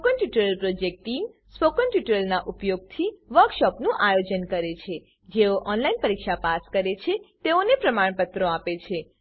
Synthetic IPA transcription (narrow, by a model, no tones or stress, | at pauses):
pokənʈjuʈəɾəlpɾod͡ʒek̚ʈːim | spokənʈjuʈəɾəlnaʔupjoɡ̚t̪ʰiʋəɾkʃɔpnũʔajod͡ʒənkəɾet͡ʃʰe | d͡ʒeoʔɔnlainpəɾikʃapaskəɾet͡ʃʰet̪eonepɾəmaɳ̃pət̪ɾoapet͡ʃʰe